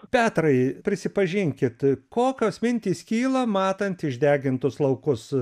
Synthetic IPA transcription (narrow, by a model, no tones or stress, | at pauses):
pʲæːt̪rɐɪpʲɾʲɪsʲɪpɐʒʲɪŋʲkʲɪt̪koːkʲosmʲɪnʲt̪ʲiːskʲiːlˠɐmɑːt̪ɐnt̪ɪʒʲd̪ʲæːɡʲɪnt̪ʊslˠɐʊkʊs